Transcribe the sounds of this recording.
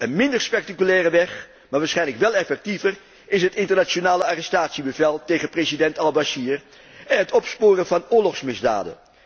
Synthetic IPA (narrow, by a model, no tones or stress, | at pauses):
ənmɪndəɹspɛk̚takylɛːrəʋɛχ | maːɹʋaːɹsχɛjnləkʋɛlˠɛfɛk̚tivər | ɪsɦətɪntəɹnat͡ʃonaːləaːrɛstaːtsibəvɛlˠtejχənprezidɛntɑlˠbaʃiːr | ɛnɦətɔpspʊːrənvɑnʊːɹlɔχsmɪzda̰ːdə̰n